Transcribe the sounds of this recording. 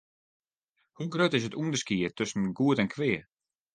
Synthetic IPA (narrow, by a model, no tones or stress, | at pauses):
huɡɾøtɪs̬ətundəskiətʰʏsn̩ɡuətɛnkʰʋɪː